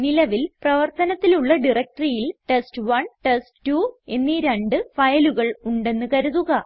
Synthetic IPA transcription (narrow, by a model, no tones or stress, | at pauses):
nilɐʋilprɐʋɐrt̪ɐnɐt̪ːiluɭːɐɖirek̚ʈrijilʈesʈɨʋɐɳʈestʈuːe̞nːiɾe̞ɳɖɨfɐjɐluɣɐɭuɳɖe̞nːɨkɐɾuðuɣɐ